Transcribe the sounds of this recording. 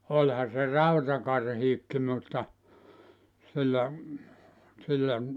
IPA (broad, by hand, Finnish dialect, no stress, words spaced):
olʲhɑ se rɑutɑkɑrhiːkːi mutːɑ silːæ silːæ